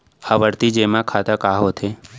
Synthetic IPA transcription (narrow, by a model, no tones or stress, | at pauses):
haʋəɽt̪id͡ʒemãkʰat̪akaɦot̪ʰe